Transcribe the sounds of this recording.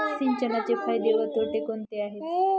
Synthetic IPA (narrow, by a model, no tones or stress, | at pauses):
siɲt͡ɕənat͡ɕekʰajd̪eʋəɾt̪oʈekont̪eaɦet̪